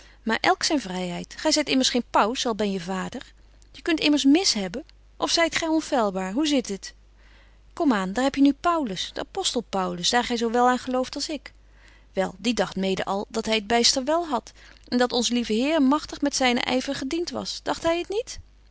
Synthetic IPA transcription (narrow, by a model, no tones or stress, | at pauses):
maːɹʔɛlˠksɛjnvrɛjɦɛjtχɛjzɛjtɪməɹsχejnpʌwsɑlˠbɛnjəvaːdəɹ | jəkɵntɪməɹsmɪsɦɛbən | ʔɔfsɛjtχɛjɔnfɛlˠbaːɹɦuzɪtət | kɔmaːndaːɹɦɛpjənypʌwləsd̥əapɔstəlˠpʌwləsdaːɹχɛjzowʋɛlˠaːnχəlowftɑlˠsɪk | ʋɛ̰lˠdidɑχtmejdə̰ʔɑ̰lˠdɑtɦɛjəd̚bejstəɹʋɛlˠɦɑt | ʔɛndɑtɔnzəlivəɦɪːɹmɑχtəχmɛtsɛjnə̰ʔɛ̰jvərχədintʋɑ̰sd̥ɑχtɦɛjətnit